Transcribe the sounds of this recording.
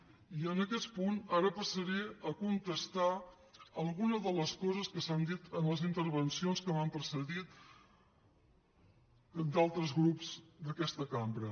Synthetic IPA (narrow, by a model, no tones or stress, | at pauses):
iənəkɛt̪punaɾəpəsəɾeəkunt̪əst̪a | əlˠɣunəðələskɔzəskəsand̪it̪ənləzint̪əɾβənsionskəmampəɾsəɣit̪ | d̪alˠt̪ɾəzɣɾupz̥d̪əkɛst̪əkambɾə